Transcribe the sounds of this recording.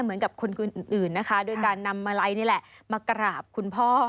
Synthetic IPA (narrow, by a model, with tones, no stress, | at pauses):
m˨˦ənka˨˩p̚kʰo˧nkɯ˨˩nʔnʔɯː˨˩nːa˦˥kʰa˦˥doː˧jkaː˧nːa˧mːaː˧la˦˧jniː˥˩lɛ˨˩ʔmaː˧kɾaː˨˩p̚kʰu˧npʰɔː˥˩